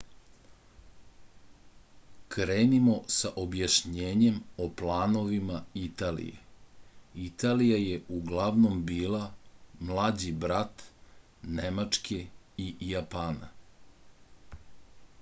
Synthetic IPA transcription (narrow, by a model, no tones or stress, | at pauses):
kɾeːnimo̞saʔobjaʃɲeːɲe̞moplaːno̞ʋimait̪aːlḭjḛ | it̪alijajeʔuɡlˠaʋno̞mbiːlˠamlˠaːd͡ʑibɾat̪ | nemat͡ʂkʰeijapana